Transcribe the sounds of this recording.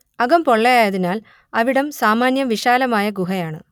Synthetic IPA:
ɐɣɐmpo̞ɭːɐjaːjɐðinaːl | ɐʋiɽɐmsaːmaːnjɐmʋiʂaːlɐmaːjɐɡuɦɐjaːɳɨ̰

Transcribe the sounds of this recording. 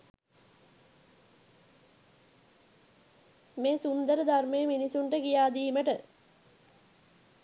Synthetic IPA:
meːsund̪əɾəd̪armejəminisuɳʈəkijaːd̪iːməʈə

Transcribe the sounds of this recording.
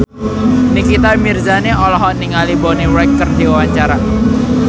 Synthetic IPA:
nikit̪amirzaneɔlɔɦɔniŋalibɔniɾɛkːərdiwawaɲt͡ʃaɾa

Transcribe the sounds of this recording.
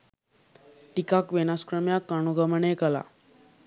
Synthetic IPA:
ʈikakʋenaskɾəmjakaɳ̃uɡəməɳekəla̰

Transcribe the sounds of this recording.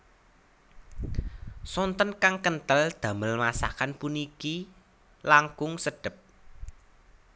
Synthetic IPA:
sɔnt̪ɔnkaŋkənt̪əld̪̥a̤məlmasa̰kanpuniki | laŋkʊŋsəɖ̥ə̤p̚

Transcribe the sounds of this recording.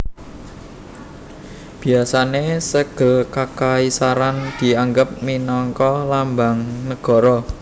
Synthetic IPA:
b̥i̤asanesəɡ̥ə̤lkakaisaɾand̪̥i̤aŋɡəp̚minɔŋkɔlambaŋnəɡ̥ɔ̤ɾɔ

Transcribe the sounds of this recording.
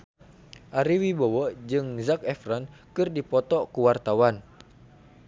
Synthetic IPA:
ʔaɾiwibɔwɔʔd͡ʒɨŋzakɛfrankɨrdipɔt̪ɔkuwart̪awan

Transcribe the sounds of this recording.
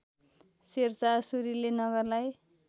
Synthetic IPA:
sert͡sasuɾilenʌɡʌrlaj

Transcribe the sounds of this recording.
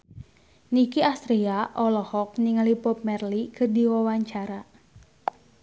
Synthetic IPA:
nikiast̪ɾiaʔɔlɔhɔk̚niŋalipɔp̚mɛrlikʰɨrdiwawaɲt͡ʃaɾa

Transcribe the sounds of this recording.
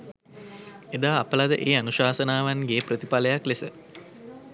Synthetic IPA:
ed̪aːpəlad̪əʔeːanuʃaːsənaːʋanɡeːpɾət̪ipaləjaklesə

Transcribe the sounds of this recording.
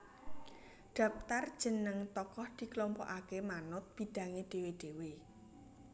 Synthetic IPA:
ɖ̥ä̤p̚t̪ard̥ʒ̥ə̤nəŋt̪ɔkɔhd̪̥i̤klɔmpɔ̰ʔakemanʊt̪̚b̥i̤ɖ̪̥ä̤ŋeɖ̪̥e̤weɖ̪̥e̤we

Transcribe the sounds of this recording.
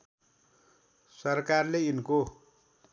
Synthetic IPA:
sʌrkarleinko

